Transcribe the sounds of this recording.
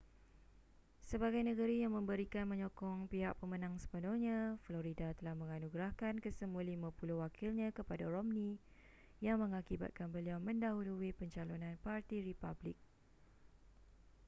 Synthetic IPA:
səbaɡajnəɡəɾijaŋmə̃mbəɾikanmə̃ɲokɔŋpiɦaʔ̚pəmə̃nãŋsə̥pənɔŋɲãfloɾidat̪əlahmə̃ŋanuɡɾahkankəsəmũalimãpuluwakʰilɲãkəpadaɾɔmnĩ | jaŋmə̃ŋakiba̰t̪̚kanbəliawmə̃ndaɦuluipəɲt͡ʃalonãnpart̪iɾipablɪk̚

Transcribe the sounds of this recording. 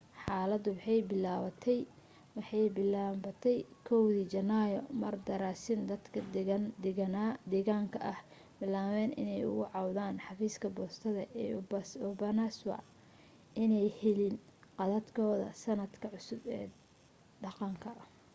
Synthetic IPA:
ħɑːlɐd̪ʊwɑħɑjbɪlaːβɐt̪ʰɛj | wɑħɑjbɪlaβɐt̪ʰɛjkʰɔwðiːt͡ʃɐnajɔmɐrd̪ɐɾaːsɪnd̪ɐd̪kʰɐ | nad̪ɛɣaːŋkʰɐʔɐh | bɪlaːβɛːnɪ̰nɛjʊ̰ɣʊʕɑwðaːnħɑfiːskʰɐbɔːst̪ʰɐðɐʔɛbsɔbɐnaswɑ̰ | ʔɪnɛjhɛlɪnqɑðɐd̪kʰɔːðɐ̰sɐnɐd̪kʰɐʕʊsʊbɛ̰ː | ɖɑqɑŋkʰɐ

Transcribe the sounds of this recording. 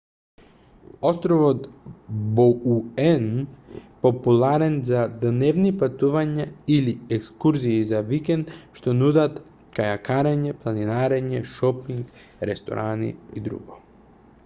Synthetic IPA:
ost̪ɾoʋot̪bouɛnpopulˠaɾɛnzad̪neʋnipat̪uʋaɲailiekskuɾziizaʋikend̪ʃt̪onud̪at̪ | kajakaɾaɲeplˠaninaɾeɲeʃopiŋɡ | ɾest̪o̰ɾʔanḭid̪ɾṵɡo

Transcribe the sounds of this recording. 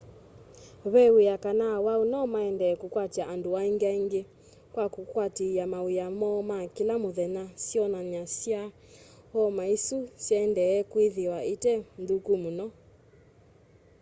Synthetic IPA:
βɛwijakanawaunɔmaɛndɛːkukwatiaʔanduaiŋɡiaiŋɡe | kwakukwatiamawijamɔmakilamuðɛnasiɔnaɲasia | hɔmaisusjɛndɛːkwiðiwaitɛmdukumunɔ

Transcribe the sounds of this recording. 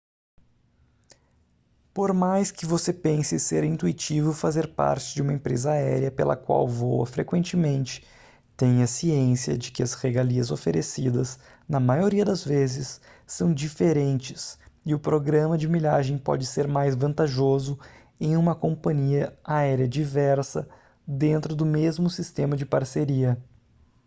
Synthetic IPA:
poɾmajskɪvosepẽsɪseɾĩnt̪uit͡ʃivʊfazeɾpa̰ɾt͡ʃɪd͡ʒɪũmɐẽpɾḛzɐaɛɾiɐpelɐ̰kwa̰wvowɐ̰fɾekwẽnt͡ʃɪmẽnt͡ʃɪ̥ | t̪ẽjɐsiẽsiɐ̰d͡ʒɪkɪɐzʁeɡaliɐzofeɾesid̪ɐs | nɐmajoɾiɐd̪ɐzvezɪsː | ɐ̃w̃d͡ʒifeɾẽnt͡ʃɪ̥sɪʊpɾoɡɾɐ̃mɐd͡ʒɪmiʎaʒẽj̃pɔ̰d͡ʒɪseɾmajzvɐ̃nt̪aʒozʊ | ẽj̃ũmɐkõmpɐ̃ɲiɐaɛɾjɐd͡ʒivɛɾsɐ | d̪ẽnt̪ɾʊd̪ʊmezmʊsist̪ẽmɐd͡ʒɪpaɾseɾiɐ

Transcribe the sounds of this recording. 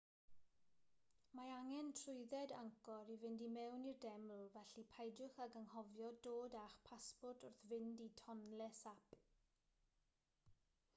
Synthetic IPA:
maaŋɛntʰrʊɨðɛdaŋkɔɾivɪndimɛwnirdɛml̩ˠvɛɬipʰajdʊχaɡəŋhɔvjɔdoːdaχpʰaspɔrtʰʊrθvɪnditʰɔnlɛsap

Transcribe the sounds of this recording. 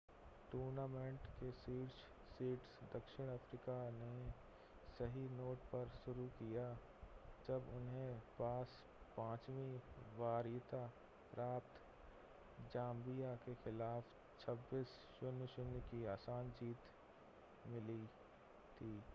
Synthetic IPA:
ʈuːɾnaːmẽɳʈkesiːʈʃ | siːʈsd̪ɐkʃɪɽ̃əfʰɾikane | sɐɦinoːʈpɐɾʃʊɾukija | d͡ʒɐbʊnɦẽpaːs | pãːt͡ʃwẽʋaːɾjt̪a | pɾaːp̚t̪ʰ | d͡ʒãːmbijakexɪlaːf | t͡ʃʰɐbːiːs | ʃʊnʊʃɪnikiaːsaːnd͡ʒiːt̪ | mɪli | t̪ʰiː

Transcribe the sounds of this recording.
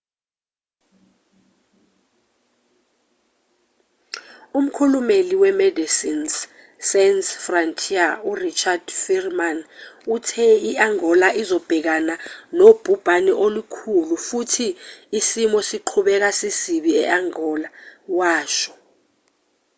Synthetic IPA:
um̩kʰulumeliwɛmɛdisins | sɛnsfrantʰʼiaurit͡ʃʰʼad̥firmanutʰɛiaŋɔlaʔizɔb̥ʱɛk̬ananob̥ʱub̥ʱaniʔolukʰulufutʰiːsimɔsiǃʰuɓɛk̬asisiɓiɛ̰ʔaŋɔlawaːʃɔ̥

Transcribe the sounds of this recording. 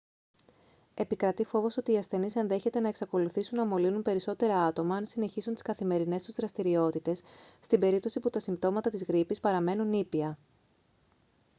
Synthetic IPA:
e̞pikɾɐt̪ifo̞vo̞so̞t̪iːɐsθe̞nisenðe̞çe̞t̪e̞nɐeksɐko̞luθisunːɐmo̞linunpe̞ɾiso̞t̪e̞ɾɐɐt̪o̞mɐɐnsine̞çisunt̪i̥skɐθime̞ɾine̞st̪uzðɾɐst̪iɾio̞t̪it̪e̞sːt̪ibe̞ɾip̚t̪osiput̪ɐsimbt̪o̞mɐt̪ɐt̪izɣɾipispɐɾɐme̞nunipiɐ

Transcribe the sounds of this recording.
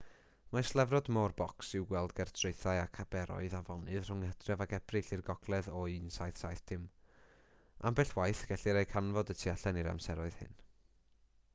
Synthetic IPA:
maslˠɛvrɔdmɔrbɔksɪwɡwɛlˠdɡɛrtʰreɨθaɨakʰabɛɾɔ̰ɨðavɔnɨðr̥ʊŋədrjɔvaɡɛb̥rɨɬirɡɔɡ̥lˠɛðɔinsajθsajθd̥ɪm | a̰mbɛɬwajθɡ̥ɛɬiɾejkʰanvɔdətʰiaɬɛniɾa̰msɛɾɔɨð̥hɨ̰n

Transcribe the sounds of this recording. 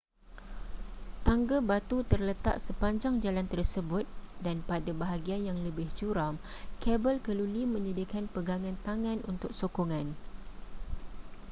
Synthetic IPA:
t̪aŋɡabat̪ut̪ərlət̪a̰ʔsəpaɲd͡ʒaŋd͡ʒalant̪ərsəbʊt̪̚danpadabaɦaɡianjaŋləbɪht͡ʃuɾamkɛbəlkəlulimə̃ɲədikanpəɡaŋãnt̪aŋãnunt̪ʊk̚sokoŋãn

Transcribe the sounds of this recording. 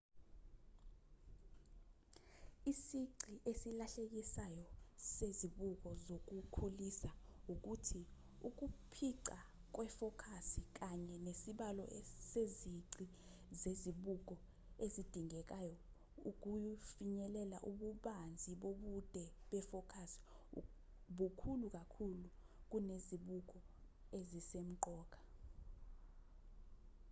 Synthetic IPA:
isiǀiʔesilaɬek̬isajɔseziɓuk̬ɔzok̬ukʰulisauk̬utʰi | uk̬upʰiǀa | k̬wɛfɔkʰasik̬aɲɛnesiɓalɔ̰seziǀi | zeziɓuk̬ʼɔ | ezid̥ʱiŋɛk̬ajɔ | uk̬ufiɲɛlɛla̰ʔuɓuɓand͡zʱiɓoɓud̥ʱɛɓɛfɔkʰasi̥ | ɓukʰuluk̬ʼakʰulu | k̬uneziɓuk̬ʼɔ | ezisem̩ǃɔːk̬ʼḁ

